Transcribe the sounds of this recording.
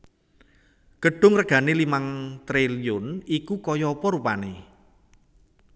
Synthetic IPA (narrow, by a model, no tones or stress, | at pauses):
ɡ̥əɖ̥ʊ̤ŋrəɡ̥ä̤nelimaŋt̪ɾelijʊnikukɔjɔpɔɾupane